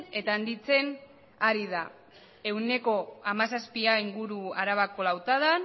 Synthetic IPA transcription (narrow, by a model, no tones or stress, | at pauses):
e̞t̪aand̪it͡se̞n | aɾiða | e̞wne̞ko̞amasaspiaiŋɡuɾuaɾaβako̞lawt̪aðan